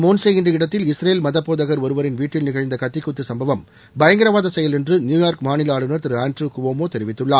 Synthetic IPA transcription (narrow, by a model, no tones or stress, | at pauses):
moːnsɛjɣɪndrɐɪɽɐt̪ːɪlɪsɾeːlmɐðɐpːoːðɐɣɐɾɔɾɯʋɐɾɪnʋiːʈːɪlnɪɣɐɻnd̪ɐkɐt̪ːɪkːʊt̪ːɯsɐmbɐʋɐm | bɐjɐŋɡɪɾɐʋaːðɐsɛjɐlɛndrɯnjuːjaːɾkmaːnɪlaːɭɯnɐɾt̪ɪɾɯaːnʈɾuːkʊʋoːmoːt̪ɛɾɪʋɪt̪ːɯɭːaː